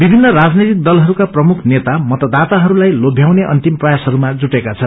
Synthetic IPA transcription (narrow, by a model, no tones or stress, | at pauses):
bibʱinːʌɾad͡znet̪ik̚d̪ʌlɦʌɾukaprʌmukʰnet̪amʌt̪ʌd̪at̪aɦʌɾulajlobʱjawneʔʌ̰nt̪imprʌjasɦʌɾumad͡zuʈekat͡sʰʌn